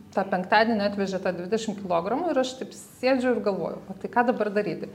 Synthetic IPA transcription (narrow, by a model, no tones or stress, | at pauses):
t̪ɑːpʲɛŋkt̪ɑːd̪ʲiɛnʲɪɑːt̪ʲʋʲɛʒʲɛt̪ɑːd̪ʲʋʲɪd̪ʲɛʃʲɪmkʲɪlˠoːɡɾɐmuɪɾɐʃt̪ɐɪp | sʲeːd͡ʒʲɛʊɪrɡɐlˠʋo̰ːjɛʊʋɐt̪ɐɪkɑːd̪ɐbɐrd̪ɐɾʲiːt̪ʲɪ